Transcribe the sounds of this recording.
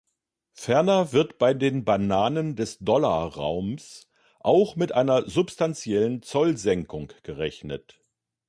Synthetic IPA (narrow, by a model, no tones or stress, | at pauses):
fɛɐnɐvɪɐtb̥aɪdeːnbanaːnəndɛsd̥ɔlaːʁa̰ʊms | ʔaʊxmɪtʔaɪnɐzʊpstʰant͡sjɛlənt͡sɔlzɛŋkʊŋɡ̥əʁɛçnət